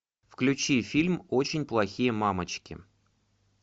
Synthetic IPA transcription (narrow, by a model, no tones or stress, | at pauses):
fklʲʉt͡ɕifʲilʲmo̞t͡ɕɪnʲplˠɐxʲijəmamət͡ɕkʲɪ̰